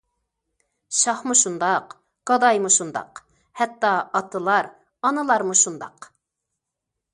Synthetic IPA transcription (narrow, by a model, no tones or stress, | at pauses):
ʃɑχmuʃund̪ɑq | ɡ̥ɑd̪ɑjmuʃund̪ɑ̰q | hɛt̪ːɑɑt̪ʰɨlˠɑɾ | ɑnɨlˠɑɾmuʃund̪ɑ̰q